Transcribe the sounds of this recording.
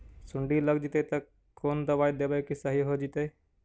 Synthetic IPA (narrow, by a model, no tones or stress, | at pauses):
sʊɳɖiləɡd͡ʒit̪et̪ɐ | kʰːoːnd̪ɐʋaːid̪ebəkisɐɦiɦod͡ʒit̪eː